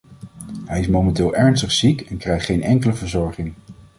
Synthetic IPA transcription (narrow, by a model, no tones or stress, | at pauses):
ɦɛjɪsmowmɛntɪːlˠɛɹnstəχsikɛnkrɛjχtχejnɛŋkələvəɹzɔɹχɪŋ